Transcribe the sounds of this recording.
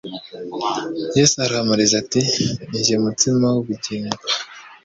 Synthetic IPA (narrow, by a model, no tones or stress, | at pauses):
jesaɾahamuɾizatiɲʒemutimawuβiɟiŋɡa